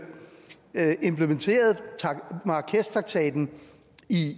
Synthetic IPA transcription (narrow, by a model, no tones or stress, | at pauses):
e̝mpʰlement͡sʰe̝̰ːɐð̞̩ˠt͡sʰmɑ̈kʰest͡sʰʁɑ̈ɡ̥̚t͡sʰɛ̰ːd̥n̩ | i